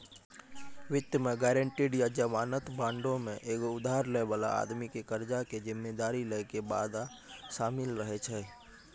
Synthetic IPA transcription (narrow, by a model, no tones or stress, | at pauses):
ʋɪt̪jəmẽɡɛːɾə̃ɳʈiːɖjad͡ʒəmaːnət̪bãːɳɖõmẽʔeːkoʊd̪aːɾleʋəla̰a̰ːd̪mikekəɾd͡ʒaked͡ʒɪmːed̪aːɾileːkeba̰ːd̪a | ʃaːmɪlɾəɦet͡ʃʰɛː